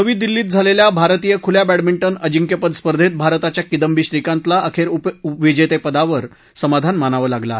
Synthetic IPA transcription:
nəʋiːd̪ilːiːt̪̚d͡zʱaleljabʱaɾt̪ijəkʰuljabæɽʈmiɳʈənəd͡ʑiŋkepəd̪spəɾd̪ʱet̪̚bʱaɾt̪at͡ɕjakid̪əmbiɕɾikãnt̪laəkʰeɾuʋid͡ʑet̪epəd̪aʋəɾ | səmad̪ʱanmanaʋəlaɡla

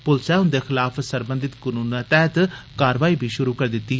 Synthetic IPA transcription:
pʊlsɛːʊnd̪eːxɪlaːpʰsəɾbənd̪ɪt̪kʊnuːnt̪ɛːt̪kaːɾʋaːiːbʱiːʃʊɾuːkəɾd̪ɪt̪ːiː

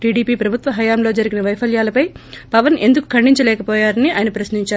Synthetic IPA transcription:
ʈiːɖiːpiːpɾɐbʱut̪ʋɐɦɐjaːmlo̞ːd͡ʒɐɾiɡinɐʋɐjpʰɐljaːlɐpɐjpɐʋɐnʔe̞̰nd̪uku̥kʰɐɳɖiɲt͡ʃɐlɛːkɐpɔːjaːɾɐniʔa̰ːjɐnɐpɾɐsniɲt͡ʃaːɾu

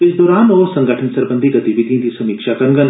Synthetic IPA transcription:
ɪsd̪ɔːɾaːnɔːɾsɐ̃ŋɡəʈʰənsɐɾbənd̪ʱiɡɐt̪ibiɡ̪ĩnt̪isɐmiːkʃakɐɾŋɡɐn

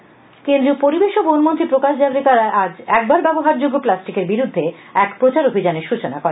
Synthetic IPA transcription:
kend̪ɾiopoɾibeʃobonmont̪ɾipɾokaʃd͡ʑaɾet̪aɾaʔad͡ʑɛk̚baɾbɛboɦaɾd͡ʑoɡːoplasʈikeɾbiɾud̪ʱːeɛkpɾot͡ɕaɾobʱid͡ʑaneɾʃut͡ɕonakɔɾen

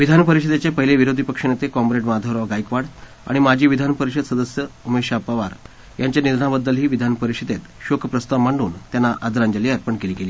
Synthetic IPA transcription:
ʋid̪ʱanpəɾiɕid̪et͡ɕepəɦileʋiɾod̪ʱipəkʂinet̪ekɔmpɾeʈmad̪ʱəɾʋɡajkʋaɽ | a̰ɽ̃imad͡ʑʱiːʋid̪ʱanpəɾiɕəd̪səd̪əsjəumeɕapaʋaɾ | jaɲt͡ɕjanid̪ɳabəd̪ːəlɦiːʋid̪ʱanpəɾiɕid̪et̪ɕokʰpɾəst̪aʋmaɳuːnt̪janːaʔad̪ɾaɲd͡ʑəliaɾpəɳkeliːɡeliː

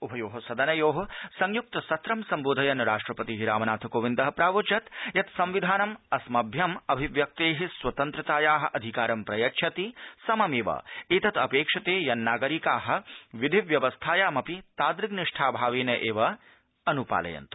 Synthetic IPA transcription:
ubʱɐjoːɦɐsɐd̪ɐnɐjoːɦɐsɐŋjuk̚t̪ɐsɐt̪ɾɐmsɐmboːd̪ʱɐjɐnɾaːʂʈɾɐpɐt̪iɦiɾaːmɐnaːt̪ʰɐkoːʋind̪ɐɦɐpɾaːʋut͡ʃɐt̪jɐt̪sɐmʋid̪ʱaːnɐmɐsmɐbʱjɐmɐbʱiʋjɐk̚t̪eːɦisʋɐt̪ɐnt̪ɾɐt̪aːjaːɦɐ̆ʔɐd̪ʱikaːɾɐmpɾɐjɐkʃʰɐt̪isɐmɐmeːʋɐ̰eːt̪ɐt̪ɐpeːkʂɐt̪eːjɐnːaːɡɐɾikaːɦɐ̆ʋid̪ʱiʋjɐʋɐst̪ʰaːjaːmɐpit̪aːd̪ɾiɡniʂʈʰaːbʱaːʋeːnɐʔeːʋɐ | ɐnupa̰ːlɐ̰jɐ̰nt̪u̥

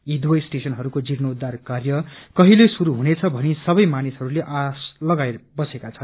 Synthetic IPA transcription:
id̪wʌjsʈesʌnɦʌɾukod͡ziɾnoud̪ːarkarjʌkʌɦilesuɾuɦunet͡sʰʌbʱʌnesʌbʌjmanisʌɾuleʔaslʌɡajbʌsekat͡sʰʌn

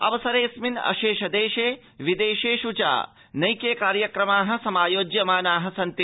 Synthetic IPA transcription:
ɐ̰ʋɐsɐɾeːsminɐ̰ʃeːʃɐd̪eːʃeː | ʋid̪eːʃeːʃut͡ʃa̰ː | nɐjkeːkaːɾjɐkɾɐmaːɦɐ̆sɐmaːjoːd͡ʒjɐmaːnaːɦɐ̆sɐnt̪i

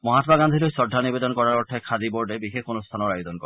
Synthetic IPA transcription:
mɔɦat̪ɔbaɡand̪ʱilojsɔdːanibed̪ɔnkɔɾaɾɔʈʰekʰad̪iboɾɖebixekʰonust̪ʰanɔɾajod̪ɔnkɔɾ

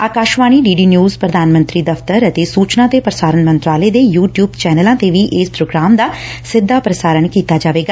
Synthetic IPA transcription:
aːkaːʃʋaːɽ̃iːɖiːɖiːnjuːzpɾəd̪aːnmə̃nt̪ɾiːd̪əfʰt̪əɾət̪eːsuːt͡ʃnãːt̪eːpɾəsaːɾənmə̃nt̪ɾaːleːd̪eːjuːʈjuːbt͡ʃɛːnəlãːt̪eːʋiːʔɪspɾoːɡɾaːmd̪aːsɪd̪ʱːaːpɾəsaːɾəɳkiːt̪aːd͡ʒaːʋeːɡaː

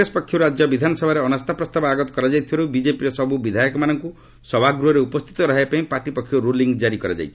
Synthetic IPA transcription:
espɔkʰːjuɾad͡ʒjɔbid̪ʱanɔsɔbʱaɾeɔnast̪ʰapɾɔst̪abɔaɡɔt̪ɔ̥kɔɾad͡ʒajt̪ʰibaɾubid͡ʒepiɾesɔbubid̪ʱajɔkɔmanɔŋku | sɔbʱaɡɾuɦɔɾeupɔst̪ʰi̥t̪ɔɾɔɦepaĩpaʈipɔkʰːjuɾuliŋɡd͡ʒaɾikɔɾad͡ʒa̰jt͡ʃʰi̥

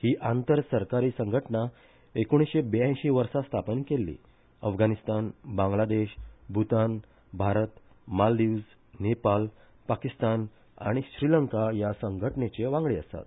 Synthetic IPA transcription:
hiːʔant̪əɾsəɾkaɾiːsəŋɡʱəʈna | ekoɽ̃isɕebejə̃jɕiːʋəɾsast̪ʰapənkelːḭː | əfɡʱanist̪anbãŋɡlad̪eɕbʱut̪an | bʱaɾət̪ | mald̪iud͡z | nepal | pakist̪an | a̰ɽ̃iɕɾiləŋkajasəŋɡʱəʈnet͡ɕeʋãŋɡɭeəst̪a̰t̪

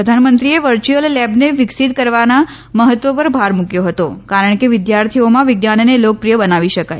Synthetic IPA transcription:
əd̪ʱanmənt̪ɾieʋəɾt͡ʃuəlːɛbneʋɪksit̪̚kəɾʋana | məɦət̪ʋəpəɾbʱaɾmukjoɦət̪okaɾəɳ̃keʋɪd̪jaɾt̪ʰiomãʋɪɡnannelok̚pɾijəbənaʋiʃəkaj

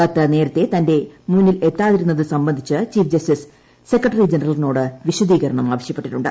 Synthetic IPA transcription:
ɐt̪ːɐne̞ːɾɐt̪ːe̞t̪ɐnde̞muːnːile̞t̪ːaːðiɾunːɐðɨsɐmbɐnd̪ʱit͡ɕːɨt͡ɕiːfd͡ʑɐsʈis | se̞kːɐʈːɐrid͡ʑenɐrɐlino̞ːɽɨʋiɕud̪iːɣɐɾɐɳɐmaːʋɐɕjɐpːe̞ʈːiʈːuɳɖɨ̰

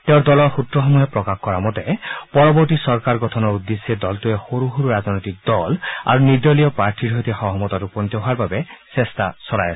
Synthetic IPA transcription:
teʊɾd̪ɔlɔɹxutɹɔxɔmuɦepɹɔkaxkɔɹamɔt̪ɛpɔɹɔbɔɹtisɔɹkaɹɡɔtʰɔnɔud̪ːesːied̪ɔltuexoɾuɦoɾuɹaznɔjt̪ik̚d̪ɔla̰ɹunid̪ɔlijɔpaɹtʰiɾɦojt̪exɔɦɔmɔt̪atupɔnt̪ɔɦʊaɹbabɛsest̪asɔɹajas

